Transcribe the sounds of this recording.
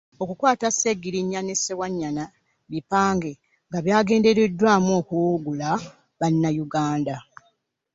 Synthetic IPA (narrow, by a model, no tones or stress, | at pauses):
o̞kukwaːtaseɡiɾiɲːanesewaɲːana | βipaːŋɡe̞ | ŋɡaβjaːɡe̞ːnde̞ɾedːwaːmoːkuɡula | βanːajuɡaːnda